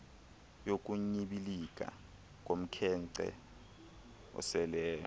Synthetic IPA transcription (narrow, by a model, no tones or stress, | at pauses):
jok̬ʼuɲiɓilik̬ʼa̰ | k̬ʼom̩kʰɛŋǀɛ̰ | ɔ̰sɛlɛːjɔ